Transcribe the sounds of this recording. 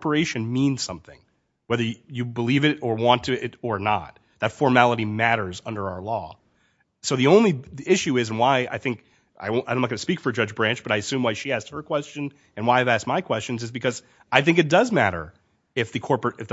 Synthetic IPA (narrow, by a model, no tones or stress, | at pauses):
pə˞eɪʃɨ̃nmĩnz̥sʌ̰̃mθɪ̰̃ŋ | wɛðə˞jɨbəlivɨɾə˞wɑ̃ntʰɨɪɾə˞nə̰t̪̚ | ðɨtfɔɹmælˠəɾimæɾə˞zʌ̃ndə˞aʊə˞lɔ̰ | soʊðiõʊ̃nliɪʃʉɪz̃n̩waɪa̰ɪθɪ̃ŋk | ʔa̰ɪõdõnmt̚ɡʌnɨspikfə˞d͡ʒʌd͡ʒbɹæ̃nt͡ʃb̥ʌɾaɪɨsʉ̃mwaɪʃiæst̚hə˞kʰw̥ɛst͡ʃɨ̃n | ɨ̃nwaɪɨvæs̚maɪkʰw̥ɛst͡ʃɨ̃n̩zɨzbɨkʰʌz | aɪθɪ̃ŋkɨt̚d̥ʌzmæɾə̰˞ | ɪfðɨkʰɔɹpəɨfð